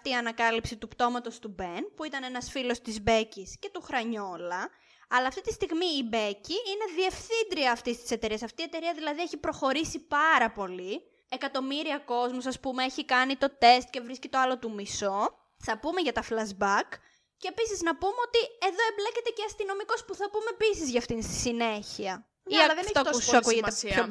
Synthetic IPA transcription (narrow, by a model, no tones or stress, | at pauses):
t̪iɐnɐkɐlipsit̪upt̪o̞mɐt̪o̞st̪ube̞npuit̪ɐne̞nɐsfilo̞st̪izbe̞cisce̞t̪uxɾɐɲo̞lɐ | ɐlɐːft̪it̪ist̪iɣmiːbe̞ciine̞ðie̞fθind̪ɾiɐːft̪ist̪i̥se̞t̪e̞ɾiɐsɐft̪ie̞t̪e̞ɾiɐðilɐðieçipɾo̞xo̞ɾisipɐɾɐpo̞li | e̞kɐt̪o̞miɾiɐko̞zmusɐspumeeçikɐnit̪o̞t̪e̞st̪̚ce̞vɾiscet̪o̞ɐlo̞t̪umiso̞ | θɐpume̞ʝɐt̪ɐflɐzbɐk | cːe̞pisiznɐpumeo̞t̪ie̞ðo̞e̞mblece̞t̪e̞ceɐst̪ino̞miko̞spuθɐpumepisizʝɐːft̪inst̪i̥sine̞çiɐ | iɐðet̪ouɐkuʝeeo